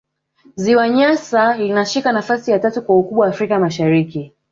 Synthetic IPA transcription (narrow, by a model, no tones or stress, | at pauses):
ziwaɲasalinaʃikanafasijatatukwaukuɓwawaːfɾikamaʃaɾiki